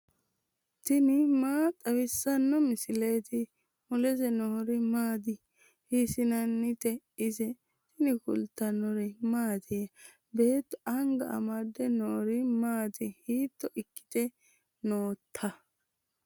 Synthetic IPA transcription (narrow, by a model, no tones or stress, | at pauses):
t̪ɪnɪmaːt̪ʼɐwɪsːɐnːɔmɪsɪleːt̪ɪ | mʊlɛzɛnɔhɔɾɪmaːd̪ɪ | hɪsɪnɐnːɪt̪ɛ | ɪzɛ | t̪ɪnɪkʊ̰lt̪ːɐnɔɾɛmaːd̪ɪjɐ | be̞ːt̪ːɔ̥ʔɐŋɡɐʔɐ̰mɐd̪ːɛnɔɔɾɪmaːt̪ɪhiːt̪ːɔʔɪkːɪ̥t̪ɛ | noːt̪ʰːɐ